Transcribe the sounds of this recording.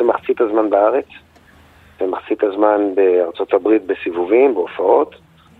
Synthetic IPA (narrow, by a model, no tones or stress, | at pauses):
emaχt͡sit̪azmanbaaʁe̞t͡s | vemaχt͡sit̪azmanbeaʁt͡so̞t̪abʁit̪̚besivuvimbeofao̞t̪